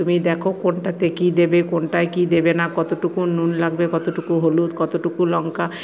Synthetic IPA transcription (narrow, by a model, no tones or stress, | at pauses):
t̪umid̪ɛkʰokonʈat̪ekid̪ebekonʈajkid̪ebenakɔt̪oʈukununlaɡbekɔt̪oʈukuɦolut̪kɔt̪oʈukulɔŋka